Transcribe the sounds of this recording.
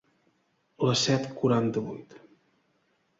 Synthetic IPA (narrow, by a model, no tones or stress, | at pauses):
ləsɛt̪kuɾant̪əβujt̪